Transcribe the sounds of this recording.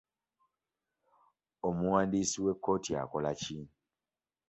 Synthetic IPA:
o̞muwaːndisiwe̞kːo̞ːtia̰kolaci

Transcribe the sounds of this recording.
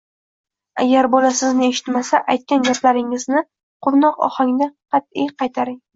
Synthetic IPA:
a̰ɡʲaɾbɒlasɪznɪeʃɪ̥t̪masaʔajt̪̚kʲanɡʲaplaɾɪŋɪznɪ | qʰʊɾnɒqɒ̰haŋd̪aqʰɑt̪̚ijqɑjt̪ʰaɾɪŋ

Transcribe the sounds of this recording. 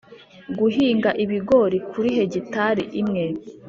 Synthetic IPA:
ɡuɦiːŋɡaʔiβiɡoɾikʰuɾiɦe̞ɟitaɾiʔimŋei

